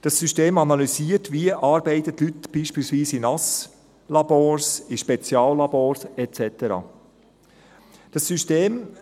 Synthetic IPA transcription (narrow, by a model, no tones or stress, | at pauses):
d̥ɑsːyʃteːmɑnɑlysiːəɾtʋiəʔɑːɾbɛɪtətlytb̥iːʃpiːlsʋiːsinɑs | lɑb̥oːsiʃpɛt͡sjɑːllɑboːɾsɛt͡sɛtəɾɑ̰ː | d̥ɑsːyʃteːm